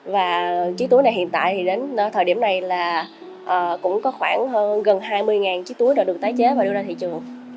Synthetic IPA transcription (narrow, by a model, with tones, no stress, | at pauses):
vaː˨˩t͡ɕi˨˦˥t̪u˨˦jna˨˩jhḭ˧˨ənt̪a̰ː˧˨jt̪ʰi˨˩ɗe˨˦n˧˩t̪ʰəː˨˩jɗi˧˩əmna˨˩jlaː˨˩ | ʔəː˨˩kʊ̰˧˥ŋ͡mkɔ˨˦xwaː˧˩nhə˧ɣə˨˩nɦaː˧jmɨ˧əjŋaː˨˩nt͡ɕi˨˦˥t̪u˨˦əjɗɔː˧˩ɗək̪̚aː˨˦jt͡ɕe˨˦vaː˨˩ɗu˧ɗə˧t̪ʰḭ˧˨t͡ɕɨ˨˩əŋ